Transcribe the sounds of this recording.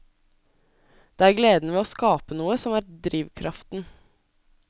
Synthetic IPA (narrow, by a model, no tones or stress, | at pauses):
d̪̥eːæːɾɡleːd̪n̩əʋeːoːskɑːpənuːəsɔmæːɾd̪ɾiːʋkʰɾʔɑft̪n̩